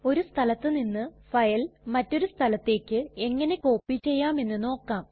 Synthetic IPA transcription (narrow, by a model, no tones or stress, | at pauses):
o̞ɾust̪ʰɐlɐt̪ːɨninːɨfɐjɐlmɐtːo̞ɾust̪ʰɐlɐt̪ːe̞ːkʲːɨe̞ŋːɐne̞ko̞ːpːit͡ɕːe̞jːaːme̞nːɨno̞ːkːaːm